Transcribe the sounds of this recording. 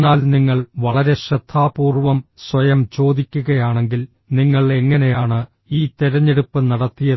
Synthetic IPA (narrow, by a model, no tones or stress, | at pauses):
nːaːlniŋːɐɭʋɐɭɐɾe̞ɕɾɐd̪ʱʰːaːpuːrʋɐmswɐjɐmt͡ɕo̞ːd̪ikʲːuɣɐjaːɳe̞ŋɡil | niŋːɐɭe̞ŋːɐne̞jaːɳɨ | iːt̪iɾɐɲːeɽupːɨnɐɽɐt̪ːijɐ